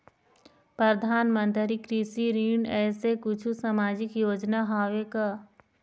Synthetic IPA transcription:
pɾəd̪ʱaːnmə̃nt̪ɾikɾisiɾiːɳɛːsekʊt͡ʃʰusamaːd͡ʒɪkjoːd͡ʒnaɦaːʋekaː

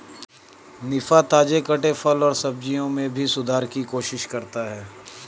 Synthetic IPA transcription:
nɪfat̪aːd͡ʒekɐʈefɐlɔːɾsɐb̚d͡ʒijõmẽbʱisʊd̪ʱaːɾkikoːʃɪʃkɐɾt̪aɦɛː

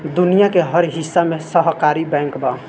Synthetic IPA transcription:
d̪unijakeɦʌɾɦisːamesəɦkaɾibɛ̃ŋkbʱa

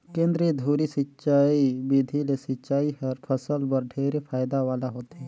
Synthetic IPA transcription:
kẽːnd̪ɾid̪ʱuːɾisɪtːʃaːibid̪ʱilesɪt͡ʃaːiɦɐɾpʰɐsəlbɐɾɖʱʰeːɾepʰaːjd̪aʋaːlaɦoːt̪ɦɛ̃ː

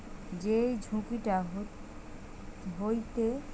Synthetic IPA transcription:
d͡ʒed͡ʒʱũkiʈaɦ | ɦojt̪e

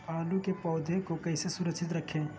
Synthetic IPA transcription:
aːlũkepɔːd̪ʱekokɐɪsesʊɾəksɪt̪̬ɾɐkʰẽː

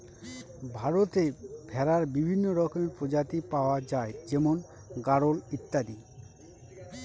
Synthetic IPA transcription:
bʱaɾot̪ebʱɛɾaɾbibʱinːoɾɔkomeɾpɾod͡ʑat̪ipaoad͡ʑaed͡ʑɛmon | ɡaɾolit̪ːad̪i

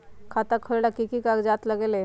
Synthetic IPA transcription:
kʰaːt̪akʰəɭlakikikakd͡ʒaːt̪ləɡele

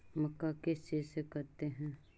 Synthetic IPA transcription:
mɐkːakɪst͡ʃisekɐɾt̪eɦɛ̃ː

